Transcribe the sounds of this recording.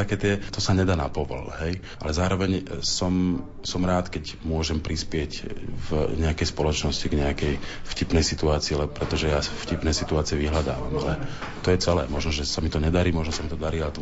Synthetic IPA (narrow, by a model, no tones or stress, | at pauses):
t̪akɛːt̪ɪɛt̪ɔsaɲɛd̪aːnapɔʋɔ̰lɦɛj | ʔa̰lɛzaːɾɔʋɛɲsɔm | sɔmɾaːt̪kɛc | mʊɔʒɛmpɾispɪɛcvɲɛakɛjspɔlɔt͡ʃnɔsciɡɲɛakɛjfcipnɛjsit̪uaːt͡siːlɛbɔpɾɛt̪ɔʒɛjafcipnɛjsit̪uaːt͡siɛʋiɦlad̪a̰ːʋa̰malɛt̪ɔjɛt͡sɛlɛ̰ːmɔʒnɔʒɛsamit̪ɔɲɛd̪aɾiːmɔʒnɔsamit̪ɔd̪aɾiːalɛt̪ɔ